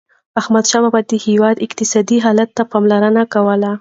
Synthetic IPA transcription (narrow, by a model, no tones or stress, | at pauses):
ahmad̪ʃɑbabad̪əhewɑd̪ɪqt̪ɪsɑd̪iɦɑlat̪ːapɑmlaɾənakawəla